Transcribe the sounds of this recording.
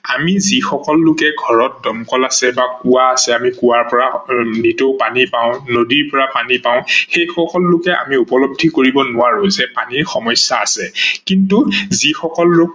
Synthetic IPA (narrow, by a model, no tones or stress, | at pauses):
amizixɔkɔlːʊkɛɡʱɔɹɔt̚dɔmkɔlasɛbakuwaːsɛamikuwaɹpɔɹanitopanipaʊ̃nodiɹpɔɹapanipaʊ̃xejxɔkɔlːʊkɛʔa̰miupɔlɔb̚dʱikoɹibɔnʊwaɹozɛpaniɹxɔmɔjsaːsɛkintuzixɔkɔlːʊk̚